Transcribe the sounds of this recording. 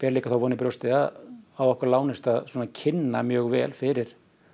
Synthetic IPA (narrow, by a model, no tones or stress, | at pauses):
pɛːɾliːkaθawvɔːnɪpɾɔwst̪ɪaawɔhkvaɾlaːwnɪst̪aðswɔːnacʰɪnːamjœːɣvɛ̰ːlfɪɾɪɾ̥